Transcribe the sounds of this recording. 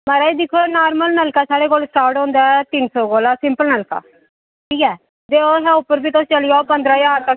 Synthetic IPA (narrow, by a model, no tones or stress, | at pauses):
məɾaːid̪ɪkʰːoːnaːɾməlnəlkaːsaːɽeːkoːlsʈaːɾʈɦõːnd̪aːɛt̪ɪnsɔːkoːlaːsɪmpəlnəlka̰ː | ʈʰiːkɛː | d̪eːoːɦɛːʊpːəɾbiːt̪oʊst͡ʃəlɪjapənd̪ɾaːjaːɾt̪ə